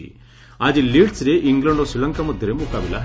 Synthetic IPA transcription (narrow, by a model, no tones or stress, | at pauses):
ḭ | aːd͡ʒiliːɖsɾeʔiŋɡlɐɳɖosilɐŋkɐmɐd̪ʱːɐɾemukaːʋilɐ̰